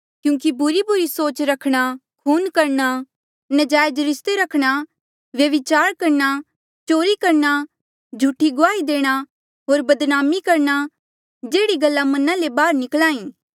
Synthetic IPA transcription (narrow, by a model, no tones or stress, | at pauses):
kjũːkibʱʊɾibʱʊɾisoːt͡ʃɾɐkʰɽ̃akʰuːnkɐɾɳ̃a | nɐd͡ʒaːjd͡ʒɾɪst̪eɾɐkʰɽ̃a | ʋjɐʋɪt͡ʃaːɾkɐɾɳa | t͡ʃoːɾikɐɾna | d͡ʒʱuːʈʰiɡʊaːid̪eːɽ̃a | ɦoːɾbɐd̪naːmikɐɾna | d͡ʒeːɽiɡɐlːãmɐnãlebaːɾnɪklãːĩː